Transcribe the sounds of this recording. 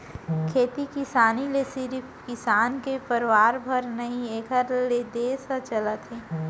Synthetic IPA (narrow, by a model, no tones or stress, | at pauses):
kʰeːt̪ikɪsaːnilesɪɾi | kɪsaːnkepəɾʋaːɾbʱɐɾnɐɦĩeːkʰəɾled̪eːsat͡ʃɐlat̪ʰeː